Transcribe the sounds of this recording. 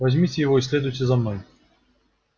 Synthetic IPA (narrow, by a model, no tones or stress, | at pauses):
vɐzʲmʲit͡sʲɪjɪvɔisʲlʲɛd̪ujtʲɛzɐmnɔj